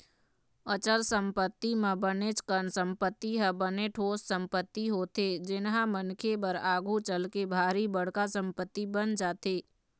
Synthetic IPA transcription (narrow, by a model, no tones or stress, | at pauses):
ət͡ʃəlsə̃mpət̪ːimẽbənet͡ʃkənsə̃mpət̪ːiɦəbəneʈʰoːssə̃mpət̪ːiɦoːt̪ed͡ʒɪnɦãmənkʰebəɾaːɡʱut͡ʃəlkebʱaːɾibəɽ̤kasə̃mpət̪ːibənd͡ʒaːt̪eː